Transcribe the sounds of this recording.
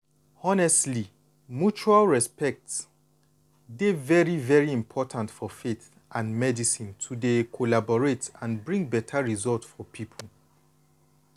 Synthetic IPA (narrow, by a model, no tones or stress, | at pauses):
ɔnɛstli | mjut͡ʃualɹɛspɛk̚ts | devɛɹivɛɹiĩmpʰɔtʰãntfɔfeθ | ʔãnmɛdisĩntʰudekʰolabɔɹetãnbɹĩŋbɛtʰaɹizɔltsfɔpʰipʰəl